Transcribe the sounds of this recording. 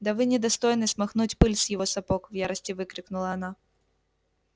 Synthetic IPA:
d̪ɐvɨnʲɪd̪ɐst̪ojnɨsmɐxnutʲpɨlʲsjɪvɔsɐpɔkvjaɾɐsʲtʲɪvɨkɾʲɪknʊlˠɐɐna

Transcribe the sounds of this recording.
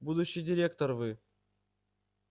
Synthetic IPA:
bud̪ʊɕːɪjdʲɪɾʲekt̪orvɨ

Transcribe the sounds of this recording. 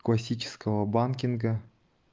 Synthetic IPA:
klˠasʲit͡ʃɪ̥skəvəbankʲinɡɐ

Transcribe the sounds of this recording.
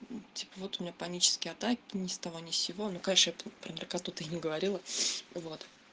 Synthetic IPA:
tʲi̥pəvo̞t̪ʊmʲɪnʲapɐnʲit͡ɕɪ̥skʲɪjɐt̪akʲɪnʲɪst̪ɐvo̞nʲɪfsʲɪvo̞nukɐnʲeʂnəjappɾəmʲerkat̪ːut̪əjnʲɪɡəvɐɾʲilˠəvo̞t̪

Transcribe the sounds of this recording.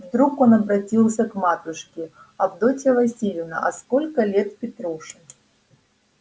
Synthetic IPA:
vd̪ɾuko̞nɐbɾɐtʲilˠsʲɐkmat̪ʊʂkʲɪɐbd̪otʲəvɐsʲilʲɪvnə̰ʔɐ̰skolʲkəlʲe̞t̪pʲɪt̪ɾuʂɨ

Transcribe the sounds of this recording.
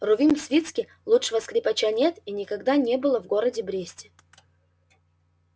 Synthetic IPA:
rʊvʲinsvʲit̪skʲɪ | lˠutʂɨvəskɾʲɪpɐt͡ɕanʲet̪inʲɪkɐɡd̪anʲe̞bɨlˠəvɡoɾədʲɪbɾʲesʲtʲɪ

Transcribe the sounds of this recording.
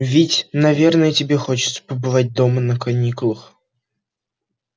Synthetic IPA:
vʲɪtʲnɐvʲe̞rnəjətʲɪbʲexo̞t͡ɕɪ̥t̪sə̥pəbɨvat̚ʲd̪o̞mənəkɐnʲikʊlˠəx

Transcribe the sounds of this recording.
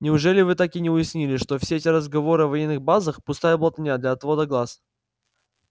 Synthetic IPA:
nʲɪʊʐɛlʲɪvɨt̪akinʲɪʊjɪsʲnʲilʲɪʂt̪o̞fsʲeɛtʲɪɾəzɡɐvo̞ɾɨɐvɐjenːɨxbazəxpʊst̪ajəblˠət̪ʲənʲad̪lʲɐɐt̪vo̞d̪əɡlˠas

